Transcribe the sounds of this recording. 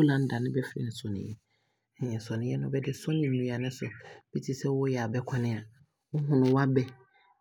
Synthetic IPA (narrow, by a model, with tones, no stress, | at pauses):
o˦lã˨n̩˦da˨nʊ̃˦bɛ˦fɾḭ˨n̩˨sɔ˨nɪ̰̃˨jɛ˦˨ | sɔ̃˨nɪ̃˨jɛ˦nʊ̃˦bɛ˦dɪ˦sɔ̃˦nɪ̃˨n˦nũ˨a˨nɪ̃˦sʊ˨b̥i˦tʰi˦sɛ˦wʊ˦jɛ˨a˨bɛ˦kʷʰã˦nɪ̃˦a˨ | wʊ˦ɦʊ̃˦nʊ̃˨wa˦bɛ˦